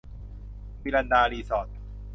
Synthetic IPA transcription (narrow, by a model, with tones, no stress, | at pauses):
piː˧la˧ndaː˧liː˧sɔː˨˩t̪̚